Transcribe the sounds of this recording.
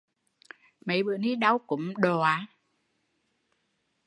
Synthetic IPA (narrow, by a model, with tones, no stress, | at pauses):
mə˨˦jɓɨ̰˧˨əni˧˦ɗa˧wkʊ̰˨˦mɗo˨˩a˨˦